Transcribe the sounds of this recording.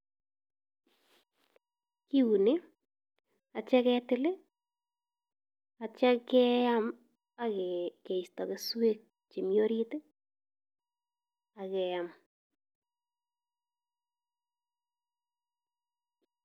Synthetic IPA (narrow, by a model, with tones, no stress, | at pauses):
ki˦wu˨ne˦ | a˨t͡ʃɛ˦kɛ˦tɪ˦lɪ˦ | at͡ʃa˦kɛ˦a˦m | a˨kɛ˨ke˨i˨stɔ˨kɪswe˦k̚ | t͡ʃe˨mjo˦ɾi˦tɪ˦ | a˨kɛ˨jam